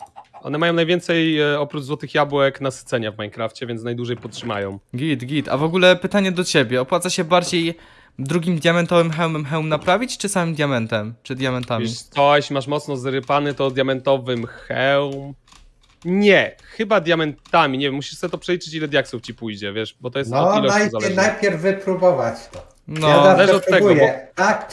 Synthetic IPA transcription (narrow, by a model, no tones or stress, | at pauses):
ʔɔ̰nɛmajɔ̃w̃najvʲjɛnt̪sɛjɔpɾud͡ʒzwɔt̪ɘxjabwɛknasɘ̥t̪sɛɲavmajnkɾaft͡ɕɛvʲɛnsnajd̪wuʐɛjpɔt̪tʂɘma̰jɔ̃w̃ɡʲit̪ɡʲit̪a̰vɔɡulɛpɘt̪aɲɛd̪ɔt͡ɕebʲjɛɔpwat̪saɕɛbaɾd͡ʑej | d̪ɾuɡʲimd̪ʲjamɛnt̪ɔvɘmxɛwmɛmxɛwmnapɾavʲit͡ɕt͡ʂɘsamɘmd̪jamɛnt̪ɛmt͡ʂɘd̪ʲjamɛnt̪amiit̪ɔɕmaʂmɔt̪snɔzɾɘpanɛt̪ɔd̪ʲjamɛnt̪ɔvɘmxɛwm | ɲɛxɘbad̪ʲjamɛnt̪amʲiɲevjɛmːuɕi̥ʂsɛɛt̪ɔpʂɛlʲit͡ʂɘt͡ɕilɛd̪ʲjaksuft͡ɕipujd͡ʑɛvʲjɛʂbɔt̪ɔjɛssɔɔilɛnajzalɛnajpʲjɛɾvːɘpɾubɔvat͡ɕt̪ɔ | ɲnɔɛzaalɛʐɔt̪ːɛɡɔjɛɔt̪ak